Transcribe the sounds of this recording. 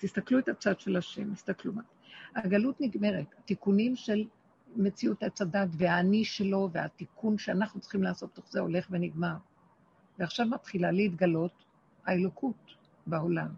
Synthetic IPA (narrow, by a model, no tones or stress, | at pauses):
t̪ist̪akluetat͡sad̪ʃelaʃḛmtist̪akluma | haɡalutniɡme̞ʁethatikunimʃe̞l | me̞t͡siuthat͡sadatveaːniʃe̞lo̞veatikunʃeanaχnut͡sχimlaːso̞t̚t̪o̞χzeo̞̰le̞χve̞niɡmaʁ | veaχʃavmat̪χilaleit̪ɡalo̞t | haelo̞kʰut | bao̞lam